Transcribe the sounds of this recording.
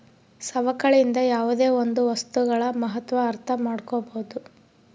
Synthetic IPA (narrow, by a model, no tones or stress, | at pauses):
sɐʋɐkɐɭind̪ɐjaːʋud̪e̞ːond̪uʋɐst̪uɡɐɭɐmɐɦɐt̪ʋɐːɾt̪ʰɐmaːɽkoboud̪u